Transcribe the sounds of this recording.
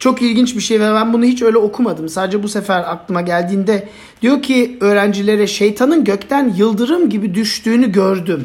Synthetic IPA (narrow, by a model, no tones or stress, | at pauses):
t͡ʃʰo̞kilʲɟint͡ʃbiʃejvɛbænbunuhit͡ʃø̞jlʲɛo̞kʰumad̪ɯmsaːd̪ed͡ʒɛbusefæɾak̚lˠɯmaɟælʲd̪iːnd̪ɛ | d̪̥ijo̞cʰiø̞ːɾænd͡ʒilʲe̞ɾɛʃe̞jt̪ʰanɯnɟø̞ct̪ʰænjɯlˠd̪ɯɾɯmɟibid̪yʃt̪yːnyɟøɾd̪ym